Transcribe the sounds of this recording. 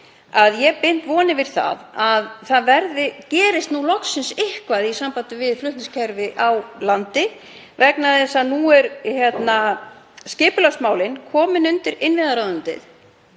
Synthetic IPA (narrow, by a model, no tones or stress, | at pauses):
aðjɛpɪn̥t̪vɔːnɪvɪɾ̥θa̰ðaðθaðvɛɾðɪcɛːɾɪst̪nulɔksɪnsɪhkvaðisampaːt̪ɪvɪðflʏht̪nscʰɛɾvɪʔawlant̪ɪ | vɛknaðɪsaðnuɛɾçjɛt̪nascɪːpʏlœst̪maːwlɪnkʰɔːmɪnʏnt̪ɪɾɪnvɪðaɾaːwðʏnt̪ɪ̰ð